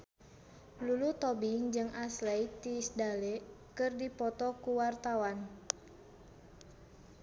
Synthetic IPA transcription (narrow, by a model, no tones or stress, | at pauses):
lulut̪ɔbiŋd͡ʒɨŋʔaslɛj̚t̪isdalɛkɨrdipɔt̪ɔkuwart̪awan